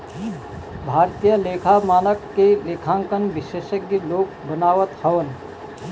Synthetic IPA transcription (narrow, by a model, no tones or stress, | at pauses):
bʱaːɾt̪ijəleːkʰamaːnəkːeleːkʰãːŋkənbɪʃeːʃək̚ɡeloːk̚bənaːʋət̪həʋən